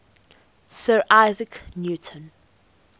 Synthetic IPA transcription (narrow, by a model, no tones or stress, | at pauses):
sɜːɹʔaɪzɪknjuːtʰə̃n